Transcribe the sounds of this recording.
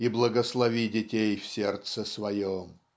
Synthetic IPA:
iblˠəɡəslˠɐvʲidʲɪtʲejfsʲert̪səsvɐjom

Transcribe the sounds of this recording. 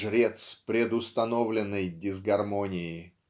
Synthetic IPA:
ʐɾʲet̪spɾʲɪd̪ʊst̪ɐnovlʲɪnːəjdʲɪzɡɐrmonʲɪɪ

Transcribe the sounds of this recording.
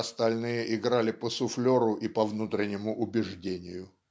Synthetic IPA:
ɐst̪ɐlʲnɨjəʔɪɡɾalʲɪpəsʊflʲoɾʊʔipɐvnut̪ɾʲɪnʲːɪmʊʔʊbʲɪʐdʲenʲɪjʊ

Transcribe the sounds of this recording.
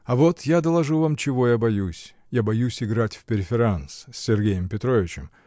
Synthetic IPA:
ɐvot̪jad̪əlˠɐʐuvamt͡ɕɪvo̞jabɐjusʲ | jabɐjusʲɪɡɾatʲfpʲɪɾʲɪfʲɪɾanssʲːɪrɡʲejɪmpʲɪt̪ɾo̞vʲɪt͡ɕɪm

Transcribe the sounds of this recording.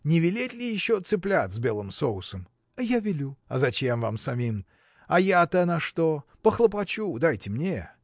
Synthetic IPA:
nʲɪvʲɪlʲetʲlʲɪjɪɕːot̪sɨplʲat̪zʲbʲe̞lˠɨmsoʊsəm | ɐjavʲɪlʲuɐ̰zɐt͡ɕemvamsɐmʲim | ɐjat̪ənɐʂt̪opəxlˠəp̬ɐt͡ɕud̪ajtʲɪmnʲe

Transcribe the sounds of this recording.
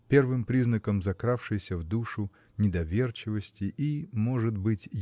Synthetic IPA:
pʲe̞rvɨmpɾʲiznəkəmzɐkɾafʂɨjsʲəvd̪uʂʊ | nʲɪd̪ɐvʲe̞rt͡ɕɪvəsʲtʲɪʔimo̞ʐɨt̪bɨtʲ

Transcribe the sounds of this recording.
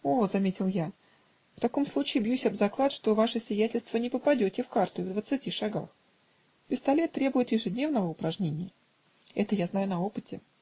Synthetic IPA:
ozɐmʲetʲɪlˠja | ft̪ɐko̞mslˠut͡ɕɪːbjusʲɐbzɐklˠat̪ʂt̪o̞vaʂɨsʲvʲɪjætʲɪlʲst̪vənʲɪpəpɐdʲotʲɪfkart̪ʊvd̪vət̪sɨtʲiʂaɡax | pʲɪst̪ɐlʲe̞t̪ːɾʲe̞bʊjɪt̪jɪʐɨdʲnʲe̞vnəvəʊpɾɐʐnʲenʲɪjə | ɛt̪əjaznajʊnɐo̞pɨtʲɪ

